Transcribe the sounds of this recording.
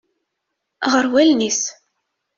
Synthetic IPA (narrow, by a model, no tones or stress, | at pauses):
ʁəɾwælnis